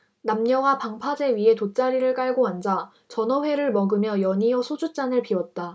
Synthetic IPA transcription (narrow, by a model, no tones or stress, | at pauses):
namɲʌwapaŋpʰad͡ʑe̞ɥiɦe̞tot͡ɕ͈aɾiɾɯɭk͈aɭɡoand͡ʑa | t͡ɕʌnʌɸwe̞ɾɯɭmʌɡɯmjʌjʌɲiʌsʰod͡ʑut͡ɕ͈anɯɭpiwʌt̚t͈a